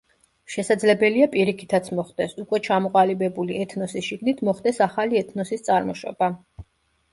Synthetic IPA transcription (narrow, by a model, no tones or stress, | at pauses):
ʃɛsad̪zlɛbɛliapʼiɾikʰi̥t̪ʰat̪sʰmɔχd̪ɛsukʼwɛt͡ʃʰamɔqʼalibɛbuliɛt̪ʰnɔsisʃiɡnit̪ʰmɔχd̪ɛsaχaliɛt̪ʰnɔsist̪sʼaɾmɔʃɔ̰ba